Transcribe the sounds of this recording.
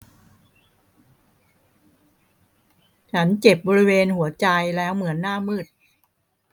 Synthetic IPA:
t͡ɕʰa˦˥nt͡ɕe˨˩p̚bɔː˧ɾi˦˥weː˧nhu˩˦ɐt͡ɕa˧jlɛː˦˥wmɯ˩˦ənːaː˥˩mɯː˥˩t̪̚

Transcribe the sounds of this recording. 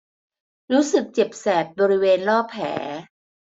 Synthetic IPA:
ɾuː˦˥sɯ˨˩k̚t͡ɕe˨˩p̚sɛː˨˩t̪̚bɔː˧ɾi˦˥weː˧nlɔː˥˩pʰːɛ̰ː˩˦

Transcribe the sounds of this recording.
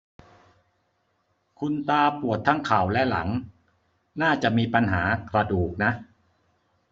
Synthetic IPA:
kʰu˧nt̪aː˧pu˨˩ət̪ʰːaː˥˩ŋkʰa˨˩wlɛ˦˥la̰˩˦ŋ | naː˥˩t͡ɕa˨˩miː˧pa˧nɦaː˩˦kɾa˧duː˨˩k̚na˦˥ʔ

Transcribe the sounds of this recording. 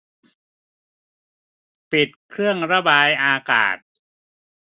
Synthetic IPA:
pi˨˩t̪̚kʰɾɯ˥˩əŋɾa˧baː˧jʔaː˧ka̰ː˨˩t̪̚

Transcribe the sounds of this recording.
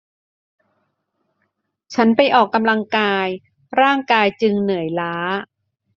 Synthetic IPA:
t͡ɕʰa˦˥npa˧jʔɔː˨˩kːa˧mla˧ŋkaː˧j | ɾaː˥˩ŋkaː˧jt͡ɕɯ˧ŋnɯ˨˩˦jlaː˦˥

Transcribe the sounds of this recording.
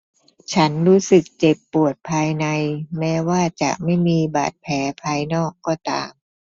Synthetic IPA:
t͡ɕʰa˦˥nɾuː˦˥sɯ˨˩k̚t͡ɕe˨˩pːu˨˩ət̪̚pʰaː˧jna˧jmɛː˦˥waː˥˩t͡ɕa̰˨˩ʔma˥˩jmiː˧ba̰ː˨˩t̪̚pʰɛː˩˦pʰaː˧jnɔː˥˩kːɔː˧˩t̪a̰ː˧m

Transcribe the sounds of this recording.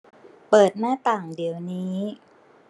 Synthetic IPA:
pɤː˨˩t̪̚naː˥˩t̪aː˨˩ŋdi˩˦əwniː˦˥

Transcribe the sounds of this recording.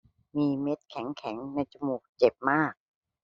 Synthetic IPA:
miː˧me˦˥t̪̚kʰɛ˩˦ŋkʰɛ˩˦ŋna˧jt͡ɕu˧muː˨˩k̚t͡ɕe˨˩p̚maː˥˩k̚

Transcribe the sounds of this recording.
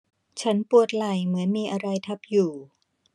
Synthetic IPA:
t͡ɕʰa˦˥npu˨˩ət̪̚la˨˩jmɯ˩˦ənmiː˧ʔa˧ɾa˧jt̪ʰa˦˥p̚juː˨˩

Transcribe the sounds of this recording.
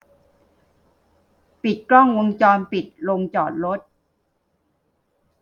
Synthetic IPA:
pi˨˩t̪̚klɔ˥˩ŋwo˧ŋt͡ɕɔː˧npi˨˩t̪̚lo˧ŋt͡ɕɔː˨˩t̪̚ɾo˦˥t̪̚

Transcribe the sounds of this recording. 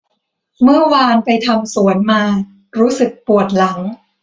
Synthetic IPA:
mɯ˥˩ɐwaː˧npa˧jt̪ʰa˧msu˩˦ənmaː˧ | ɾuː˦˥sɯ˨˩k̚pu˨˩ət̪̚la˩˦ŋ

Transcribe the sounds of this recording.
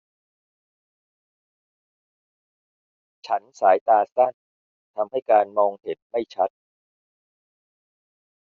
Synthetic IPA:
t͡ɕʰa˦˥nsaː˩˦jt̪aː˧sa˥˩n | t̪ʰa˧mɦa˥˩jkaː˧nmɔː˧ŋh̪ʰe˨˩t̪̚ma˥˩jt͡ɕʰa˦˥t̪̚

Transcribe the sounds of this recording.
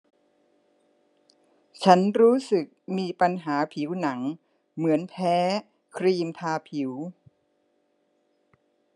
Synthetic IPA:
t͡ɕʰa˦˥nɾuː˦˥sɯ˨˩k̚miː˧pa˧nɦaː˩˦pʰi˩˦wna˩˦ŋ | mɯ˩˦ənpʰɛː˦˥ | kʰɾiː˧mt̪ʰaː˧pʰi˩˦w

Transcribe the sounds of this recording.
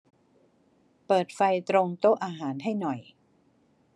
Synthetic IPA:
pɤː˨˩t̪̚fa˧jt̪ɾo˧ŋt̪o˥˩ʔaː˧ɦaː˩˦nɦa˥˩jnɔ˨˩j

